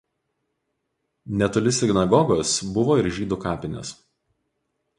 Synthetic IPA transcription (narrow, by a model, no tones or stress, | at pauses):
nʲɛt̪ʊlʲɪsʲɪɡʲnɐɡɔɡɔsbʊʋoːɪɾʒʲiːd̪ʊkɑːpʲɪnʲɛ̰s